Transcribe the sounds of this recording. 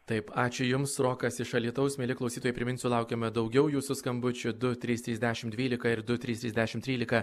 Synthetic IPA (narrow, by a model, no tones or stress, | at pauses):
t̪ɐɪpɑːt͡ʃʲʊjʊmsɾoːkɐsɪʃɐlʲiɛt̪ɐʊsmʲeːlʲɪklˠɒʊsʲiːt̪oːjɛːpʲɾʲɪmʲɪnʲsʲuːlˠɑˑʊkʲeːmɐd̪ɒʊɡʲɛʊjuːsʊskɐmbʊt͡ʃʲʊd̪ʊt̪ʲɾʲiːst̪ʲɾʲiːzʲd̪ʲæʃʲɪmd̪ʲʋʲiːlʲɪkɐɪɾd̪ʊt̪ʲɾʲiːst̪ʲɾʲiːzdʲæʃʲɪmt̪ʲɾʲiːlʲɪkɐ